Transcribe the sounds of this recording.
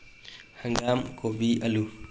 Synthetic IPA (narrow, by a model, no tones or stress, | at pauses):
haŋɡamkobiʔalu